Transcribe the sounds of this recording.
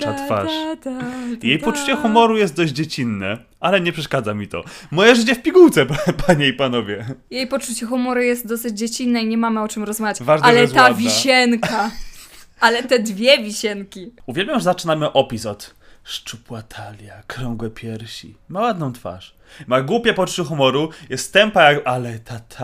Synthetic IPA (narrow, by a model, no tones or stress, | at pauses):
at̪fa̰ʂ | jejppɔt͡ʂut͡ɕɛxumɔɾujɛst̪̚d̪ɔʑd͡ʑd͡ʑet͡ɕinːɛ | alɛɲɛpʂɛʂkad̪zamʲit̪ɔ̰mɔjɛʐɘt͡ɕɛfpʲiɡuwt̪sɛpaɲɛipanɔvʲjɛjejpɔt͡ʂut͡ɕɛxumɔɾujɛst̪̚d̪ɔsɘd͡ʑd͡ʑet͡ɕinːɛiɲɛmamɘɔt͡ʂɘmɾɔzmavʲjat͡ɕvaʐnalɛst̪avʲiɕɛŋka | alɛt̪ɛd̪vʲjɛvʲiɕɛŋkʲiuvʲjɛlbʲjamʐɛzat͡ʂɘnamɘʔɔpʲisɔt̪ | ʂt͡ʂupwat̪ʰalʲjakɾɔŋɡwɛpʲjɛɾɕḭmawad̪nɔ̃w̃t̪fa̰ʂ | maɡwupʲjɛpɔt͡ʂu̥t͡ɕɛxɔmɔɾujɛst̪t̪ːɛmpajakalɛt̪ʰat̪ʰa